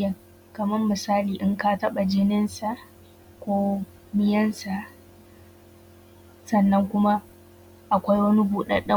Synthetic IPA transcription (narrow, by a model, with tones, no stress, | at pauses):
ɐ˨ | kɐ˨mɐ˦rmɪ˨saː˦liː˨ʔɪ˦ŋka˦tɐ˦ɓa˨d͡ʒɪ˦nɪ˦nsa˨ʔ | kʷoː˦ | mɪ˦jɐ˦nsa˨ | sɐ˨nːɐ˦ŋkʷʊ˦ma˦ | ʔa˨kʷa˦jwɐ˦ni˦buː˨ɗɐ̰˦ɗɐ˦